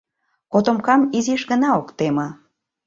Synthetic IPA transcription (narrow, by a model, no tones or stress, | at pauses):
kot̪omkɑmiziʃɣə̆nɑokt̪emə